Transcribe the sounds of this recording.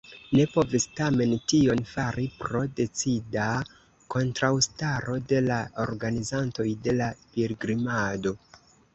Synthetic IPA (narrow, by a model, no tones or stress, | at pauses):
ne̞po̞vistame̞ntio̞nfaɾipɾo̞de̞t͡sida | ko̞ntɾawstaɾo̞de̞lao̞ɾɡanizanto̞jde̞lapilɡɾimado̞